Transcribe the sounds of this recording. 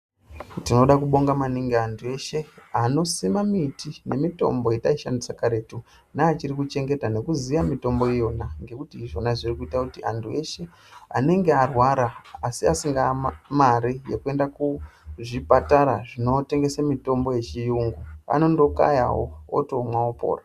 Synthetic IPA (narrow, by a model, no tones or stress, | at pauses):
tino̞ɗakuɓo̞ŋɡamaniŋɡeantʰue̞ʃe̞ano̞simamitʰine̞mito̞̰mbo̞jetaiʃa̰ndisakaɾe̞tu | naːt͡ʃirikut͡ʃe̞ŋɡe̞tane̞kuzijamito̞mbo̞ijo̞naŋɡe̞kutiːʐo̞naʐirikuitakutiʔa̰ntʰue̞ʃe̞ | a̰ne̞ŋɡe̞arwaɾaasiasiŋɡamaɾije̞kue̞ndakuʐipataɾaʐino̞te̞ŋɡe̞samito̞mbo̞je̞t͡ʃijuŋɡua̰no̞ndo̞ka̰ja̰wo̰o̰to̞mwaopo̞̰ːra